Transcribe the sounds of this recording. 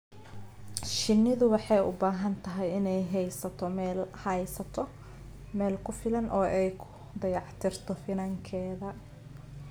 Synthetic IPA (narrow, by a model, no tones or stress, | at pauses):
ʃɪnːɪðʊwɑħɑjʊ̰baːɦɐnt̪ʰɐɦɛjɪnɛjɦɛjsɐt̪ʰɔhɛjsɐt̪ʰɔ | mɛːlkʰʊfɪlɐnʔɔːʔɛjkʰʊ̥ | d̪ɐjɑʕt̪ʰɪrt̪ʰɔfɪnɐŋkʰɛːðɐ